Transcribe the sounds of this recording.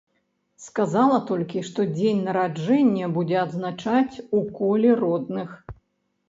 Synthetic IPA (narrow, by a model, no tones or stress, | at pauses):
skazalˠɐt̪ɔlʲkʲiʂt̪ɔd͡zʲenʲnɐɾad͡ʐɛnʲːɐbud͡zʲɛɐd̪znat͡ʂat͡sʲukɔlʲɛrɔd̪̚nɨx